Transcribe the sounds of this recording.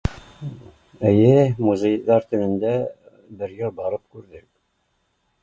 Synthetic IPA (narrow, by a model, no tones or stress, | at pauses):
ɘjɘmuzʲejðɑɾt̪ɘ̆mɘ̆nd̪æ | bɘ̆ɾjɤlˠbɑɾɤp̚kʉɾðɘk